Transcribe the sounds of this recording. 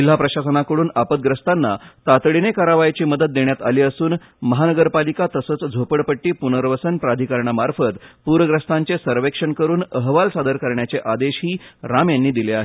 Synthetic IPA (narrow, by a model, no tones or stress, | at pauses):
il̤ɦapɾəɕasənakəɽuːnapət̪̚ɡɾəst̪anːat̪at̪ɽinekaɾaʋajt͡ɕiːməd̪ət̪̚ːeɳjat̪a̰liːəsuːn | məɦanəɡəɾpalikat̪əsət͡sd͡zʱopəɽpəʈːiːpunəɾʋəsənpɾad̪ʱikaɾɳamaɾfət̪puɾəɡɾəst̪aɲt͡ɕesəɾʋekʂəɳkəɾuːnəɦʋalsad̪əɾkəɾɳjat͡seʔad̪eɕɦiːɾamjanːiːd̪ileaɦe